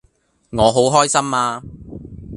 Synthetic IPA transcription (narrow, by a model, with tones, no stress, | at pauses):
ŋɔː˨˧ɦo˨˥wɦɔː˥jsɐ˥mːaː˧